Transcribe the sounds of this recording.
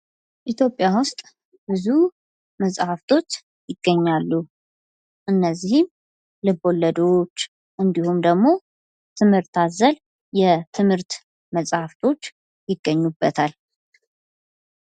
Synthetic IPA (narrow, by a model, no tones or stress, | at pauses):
ʔit̪ʰjo̞pʼːjawʊst̪ʼ | bɨzu | məsʼhaft̪ʰo̞t͡ʃː | jɪɡ̥ːəɲːalːu | ʔɨnːəzːihɪm | lɨbo̞lːəd̪o̞t͡ʃː | ʔɨnd̪ihumd̪əɡmo̞ | t̪ʰɨmhɨɾt̪azəl | jɛt̪ʰɨmhɨɾt̪ | məsʼhaft̪ʰo̞t͡ʃː | jɪɡːəɲːubːət̪ʰal